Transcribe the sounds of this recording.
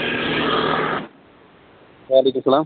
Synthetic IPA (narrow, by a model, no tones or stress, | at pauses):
aɐlekːumsɐlaːm